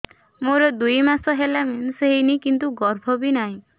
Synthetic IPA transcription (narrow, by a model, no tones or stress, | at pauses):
moɾɔd̪ujmasɔɦelamenseɦinikint̪uɡɔɾbʱɔbinaɦĩ